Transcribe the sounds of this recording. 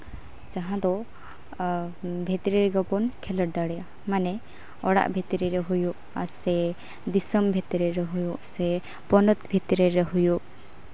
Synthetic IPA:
d͡ʒaɦãd̪ɔ | bʱɛt̪iɾiɾɡɔpɔnkʰɛləʈ̚d̪aɽɛja | manɛ | ɔɽa̰ʔbʱit̪iɾiɾɛɦujuʔ | aɾsɛ | d̪isəmbʱɛt̪iɾɛɾɛɦujuʔsɛ | pɔnɔt̪bʱit̪iɾɛɾɛɦujuʔ

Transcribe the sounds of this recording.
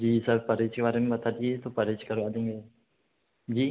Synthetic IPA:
d͡ʒiːsɐɾpɐɾɪt͡ʃkebaːɾemẽbɐt̪ʰaːd̪iet̪opɐɾet͡ʃkɐɾʋaːd̪ẽːŋɡeː | d͡ʒiː

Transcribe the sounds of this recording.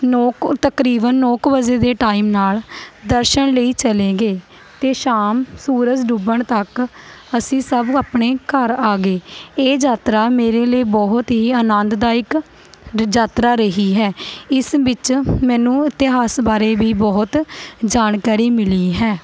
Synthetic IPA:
nɔːkt̪əkɾiːbənːɔːkʋəd͡ʒeːd̪eːʈaːimnaːld̪əɾʃənləiːt͡ʃəleːɡeː | t̪eːʃaːmsuːɾəd͡ʒɖuːbəɳt̪əkəsĩːsəbaːpɳeːkəɾaːɡeːeːd͡ʒaːt̪ɾaːmeːɾeːləiːbɔɦt̪ɦiːənə̃nd̪d̪aːɪk | d͡ʒaːt̪ɾaːɾəɦiːɦɛːɪsʋɪt͡ʃmɛ̃ːnũːɪt̪ɪɦaːsbaːɾeːbiːbɔːt̪d͡ʒaːnkaːɾiːmɪliːɦɛː

